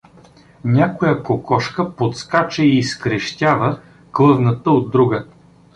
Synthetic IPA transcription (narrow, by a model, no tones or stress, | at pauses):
nʲakojəkokɔʃkəpot̪skat͡ʃɛiːskɾɛʃt̪ʲavə | klˠɤvnət̪əod̪ːɾuɡə